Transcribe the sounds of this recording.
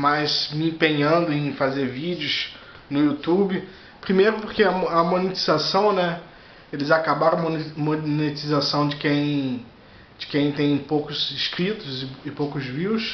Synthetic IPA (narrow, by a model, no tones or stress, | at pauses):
majzmɪĩpẽɲɐ̃nd̪ʊẽj̃fazeɾvid͡ʒɪʊs | nʊut̪ubɪ | pɾimejɾʊpoɾkeɐɐmonet͡ʃizasɐ̃w̃nɛ | elɪzakabaɾɐ̃w̃momonet͡ʃizasɐ̃w̃d͡ʒɪkẽj̃ | d͡ʒɪkẽj̃t̪ẽj̃powkʊzɪskɾit̪ʊzɪɪpowkʊzviws